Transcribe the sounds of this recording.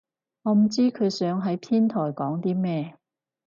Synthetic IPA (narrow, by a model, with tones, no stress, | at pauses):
ŋɔː˨˧m̩˨˩t͡siː˥kʰɵ˨˧ɥsœː˨˥ŋɦɐ˨˥jpʰiː˥nt̪ʰɔː˨˩jkɔː˨˥ŋt̪iː˥mɛː˥